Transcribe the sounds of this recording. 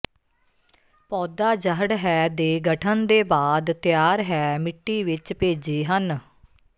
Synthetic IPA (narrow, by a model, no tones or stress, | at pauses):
pɔːd̪aːd͡ʒəɦəɽɦɛːd̪eːɡəʈʰənd̪eːbaːd̪t̪jaːɾɦɛːmɪʈːiːʋɪt͡ʃpeːd͡ʒeiːɦən